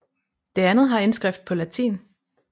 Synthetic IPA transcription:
d̥e̝ænð̩ˠɦɑ̈e̝nsɡ̥ʁɛfd̥̚pʰɒ̽læt͡sʰḭːn

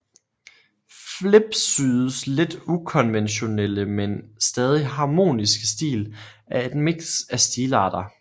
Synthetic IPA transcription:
fle̝b̥syːðˠəsle̝d̥ukʰɒ̽nʋenɕo̝neləmensd̥ɛːð̞ˠiɦɑ̈ːmo̝̰ːnisɡ̥əsd̥ḭːl | æed̥meɡ̥sæsd̥iːlɑ̈ːd̥ɐ

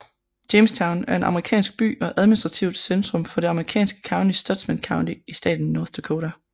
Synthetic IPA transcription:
d̥eɪmst͡sʰɑ̈ʊnæɐe̝nʔɑ̈məʁikʰɛ̰ːnsɡ̥̚b̥y̰ːɒ̽ʔæð̞ˠminisd̥ʁɑ̈t͡sʰiʊd̥send̥ʁɔ̽mfɒ̽ɾe̝ɑ̈məʁikʰɛ̰ːnsɡ̥ə̥kʰɑ̈ʊnisd̥ɒ̽d̥smænkʰɑ̈ʊnd̥iisd̥ɛ̰ːd̥n̩ːɒːθd̥okʰoːɾæ

